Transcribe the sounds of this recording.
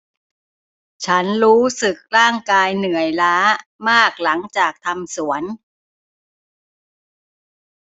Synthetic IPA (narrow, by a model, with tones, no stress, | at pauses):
t͡ɕʰa˦˥nɾuː˦˥sɯ˨˩k̚ɾaː˥˩ŋkaː˧jnɯ˨˩əjlaː˦˥maː˥˩k̚la˩˦ŋt͡ɕaː˨˩k̚t̪ʰa˧msu˩˦ən